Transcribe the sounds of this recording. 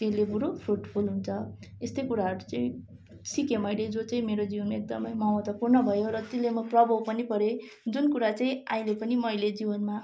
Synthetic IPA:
t̪elebuɾopʰruʈpʰulɦunt͡sʰʌest̪ʌjkuɾaɦʌɾut͡saĩ | sikemʌjled͡zot͡saĩmeɾod͡ziwʌnmaek̚d̪ʌmʌjmʌwʌt̪wʌpurnʌbʱʌjoɾʌt̪elemʌprʌbʱʌwpʌnipʌɾe | d͡zunkuɾat͡saĩãĩlepʌnimʌjled͡ziwʌnma

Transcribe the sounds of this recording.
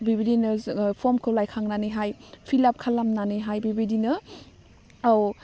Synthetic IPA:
bibidinɐpʰɔmkʰɯwlajkʰaŋnaniɦajpʰilap̚kʰalamnanɯɦajbibidinɐ | aw

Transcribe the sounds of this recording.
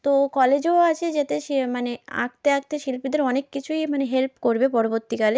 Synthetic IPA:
t̪okɔled͡ʑoat͡ɕʰed͡ʑet̪eʃemanea̰kt̪eak̚t̪eʃilpid̪eɾɔnekːit͡ɕʰujmaneɦelpkoɾbepɔɾoboɾt̪ikale

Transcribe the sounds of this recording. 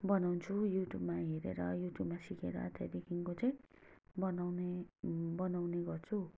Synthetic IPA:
bʌnawnt͡sʰujuʈjubmaɦeɾḛɾʌjuʈjubmasikeɾʌ̰t̪ʰeɾikʰiŋkot͡saĩ | bʌnawnebʌnawneɡʌrt͡sʰu

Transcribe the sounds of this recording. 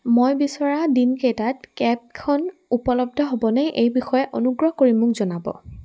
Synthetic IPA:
mojbisɔɹadinkejtatkɛp̚kʰɔnupɔlɔb̚dʱɔɦobɔnɛʔejbixɔjɛʔonuɡɹɔɦkoɹimʊkzɔnabɔ̰

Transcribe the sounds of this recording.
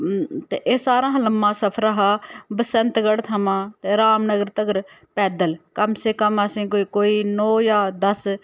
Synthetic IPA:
t̪ḛːʔeːsaːɾãːɦləmːãːsəpʰɾəɦaːbəsənt̪ɡəɽt̪ʰəmãːt̪eːɾaːmnəɡəɾt̪əɡəɾ | pɛːd̪əlkəmseːkəməsĩːkoiːkoːiːnɔːjaːd̪əs

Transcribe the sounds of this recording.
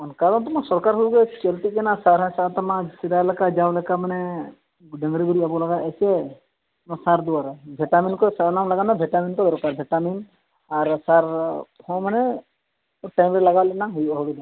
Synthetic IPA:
ɔnkaɾɔnt̪ɔmasɔɾkaɾɦuuɡɛt͡ʃəlt̪ikɛnasaɾɦasat̪ɔmãsid̪ajlɛkad͡ʒawlɛkamanɛ | ɖəŋɡɾiɡuɾiabɔlaɡaɛsɛ | masaɾd̪uaɾabʱɛʈaminkɔsanamlaɡanabʱɛʈaminkɔd̪ɔɾkaɾbʱɛʈamin | aɾsaɾhɔ̃manɛ | ʈajmɾɛlaɡalɛnaɦujaɦulud̪a

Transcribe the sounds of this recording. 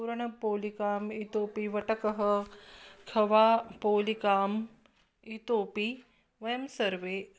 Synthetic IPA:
uɾɐɳɐpoːlikaːmit̪oːpiʋɐʈɐkɐɦə | kʰɐʋaːpoːlikaːm | it̪oːpi | ʋɐjəmsɐɾʋeː

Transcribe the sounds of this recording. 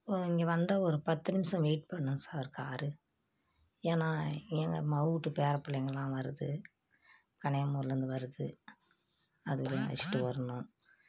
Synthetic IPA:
poːɪŋɡeʋɐnd̪ɐɔɾɯpɐt̪ːɯnɪmsɐ̃mʋeːʈ̚pɐɳːɯŋsaːɾɯkaːɾɯ | eːnãːeŋɡɐ̰mɐuʈːɯpeːɾɐpːɪlːɐjŋɡɐɭlãːʋɐɾɯðɯ | kɐɳɐjɐmoːɾlɐɾɯnd̪ɯʋɐɾɯðɯ | ɐðɯʋɐlɐŋʋɐ̰t͡ʃːɪ̥ʈːɯʋɐɾɐnõː

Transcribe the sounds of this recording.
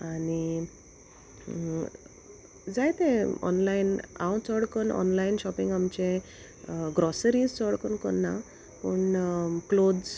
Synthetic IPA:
aɽi | d͡zajt̪ẽɔ̰nlaina̰wt͡sɔɽkəɳɔ̰nlainɕɔpĩŋɡamt͡ɕẽ | ɡɾɔsəɾid͡zt͡sɔɽkəɳkənːa | pəɳklod͡z

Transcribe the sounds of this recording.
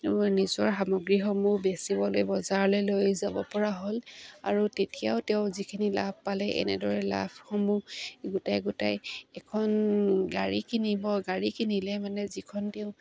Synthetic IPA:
nizɔɹxamɔɡɹixɔmubesibɔlojbɔzaɹlɛlojzabɔpɔɹaɦola̰ɹutetiaʊtɛʊ̃zikʰinila̰bʱpalɛʔɛ̰nɛ̰dɔɹɛla̰bxomuɡutajɡutajɛkʰɔnɡaɹikinibɔɡaɹikʰinilɛmanɛzikʰɔntɛʊ̃

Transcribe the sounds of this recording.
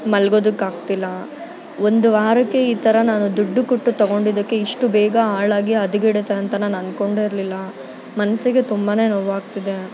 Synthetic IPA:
mɐlɡo̞ːd̪ukːaːɡt̪ilːɐ | o̞nd̪uaːɾɐkːeiːt̪ɐɾɐnaːnud̪uɖːukuʈːut̪ɐɡo̞ɳɖid̪ɐkːe̞iʂʈubɛːɡɐaːɭaːɡiɐd̪uɡiɽet̪eɐnt̪ɐnaːnɐnko̞ɳɖeiɾlilːɐ | mɐnɐsiɡe̞t̪umbane̞ːnoːʋaːɡt̪id̪e̞

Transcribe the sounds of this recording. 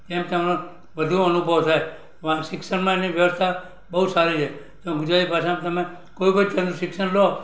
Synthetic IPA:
t̪emt̪əmnõ | bəd̪ʱũənubʱəʋsae | ʋʃɪksənmãeniʋjəʋəst̪ʰa | bəɦusaɾit͡ʃʰe | d͡ʒ̪õɡʊd͡ʒɾat̪ipaset̪əmẽ | koipəd͡ʒt͡ʃənũʃɪksənlo

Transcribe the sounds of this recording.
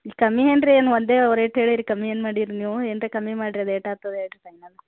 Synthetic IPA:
ikɐmːieːnɖɾeeːnʋond̪eːɐʋɾeʈɦeːɭiɾikɐmːieːnmaːɽiɾiniːʋueːnɾekɐmːimaːɽiɾɐd̪eːʈaːt̪ɐd̪eːʈɾit̪ɐjnɐlɐ

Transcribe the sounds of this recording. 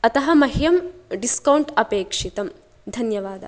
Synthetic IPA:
ɐt̪ɐɦɐmɐɦjɐmɖiskɐwɳʈɐpeːkʂit̪ɐm | d̪ʱɐnjɐʋaːd̪ɐ̰

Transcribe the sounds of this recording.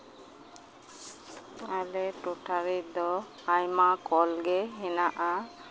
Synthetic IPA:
alɛʈoʈʰaɾid̪ɔ | ajmakɔlɡɛɦɛnaʔa

